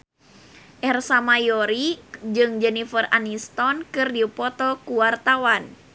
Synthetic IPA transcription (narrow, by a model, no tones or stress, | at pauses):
ʔɛrsamajɔɾid͡ʒɨŋd͡ʒɛnifəra̰nist̪ɔnkɨrdipɔt̪ɔkuwart̪awan